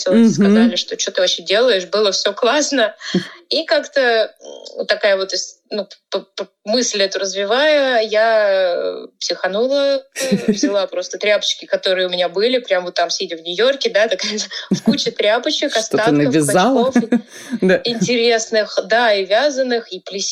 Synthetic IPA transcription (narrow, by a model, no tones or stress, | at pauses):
t̪selˠəskɐzalʲɪʂt̪o̞t͡ɕot̪ɨvɐɕedʲe̞lˠəjɪʂbɨlˠəfsʲoklˠasnəikakt̪ə̰ | t̪ːɐkajəvo̞t̪sʲ | nupp | mɨsʲlʲɛt̪ʊɾəzvʲɪvajʊja | psʲɪxɐnulˠəvzʲɪlˠapɾo̞st̪ət̪ɾʲapə̥t͡ɕkʲɪkɐt̪o̞ɾɨjəʊmʲɪnʲabɨlʲɪpɾʲamvot̪ːamsʲedʲɪvnʲʊjo̞rkʲɪd̪at̪ɐkaj̪fkut͡ɕɪt̪ɾʲapət͡ɕɪkɐst̪oat̪nkəvʲɪzalˠkofd̪aɪnʲtʲɪɾʲe̞snɨxd̪aivʲazənːɨxiplʲɪsʲ